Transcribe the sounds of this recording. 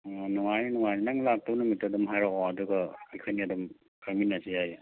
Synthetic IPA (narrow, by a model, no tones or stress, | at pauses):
nuŋajnnuŋajninaŋlak̚tɐwnumitadumɦajɾɔɔɐduɡɐajkʰojniɐdɐm | kʰaɾminːɐsiaj